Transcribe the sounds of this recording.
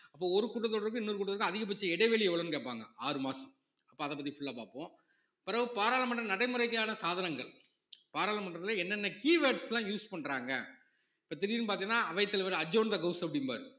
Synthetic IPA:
ɐpːoːɔɾɯkuːʈ̬ːɐt̪ːɔɽɐɾɯkːɯɪnːɔɾɯkuːʈːɐðɾkːɯɐðɪɣɐp̬ːɐt͡ʃːɐɛɽɐɪʋeːliɛʋɐɭɐnkeːpːaːŋɡɐaːɾɯmaːsɐm | ɐpːoːɐðɐp̬ːɐt̪ːifʊɭːɐpaːpõː | pɪɾɐʋɯpaːɾaːlɐmɐɳʈrɐnɐɽɐɪmɯɾɐɪkːɐjaːnɐsaːðɐnɐŋɡɐɭ | paːɾaːlɐmɐɳʈɾɐt̪ɪlɐɛnːɐnːɐkiːʋeːʈslãːjuːspɐɳːɾaːŋɡɐ | ɪpːoːt̪ɪɾɪjɪnɯpaːt̪iŋnaːɐʋɐɪt̪ːɐlɐʋɐɾɐd͡ʒoːnd̪ɐɡɐʊsɐpɐɽɪnba̰ːɾɯ

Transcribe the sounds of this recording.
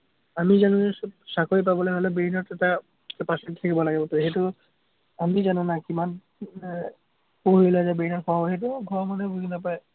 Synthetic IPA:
amid͡ʑanuʃakʰoɾipaboleɦolebeɦinoɾtata | paʃet̪ʰekebɔlaɡebot̪oeɦet̪u | amid͡ʑanonakiman | poɦilad͡ʑabeinaɾkʰɔaboeɦet̪uɡʱɔmanebuɡinapae

